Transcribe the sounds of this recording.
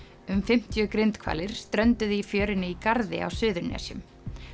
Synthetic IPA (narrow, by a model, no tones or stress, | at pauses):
ʏmfɪm̥t̪jʏkɾɪnt̪kʰva̰ːlɪɾ̥st̪ɾœnt̪ʏðɪifjœːɾɪnɪikaɾðɪ̰a̰wsʏːðʏɾnɛ̰ːsjʏm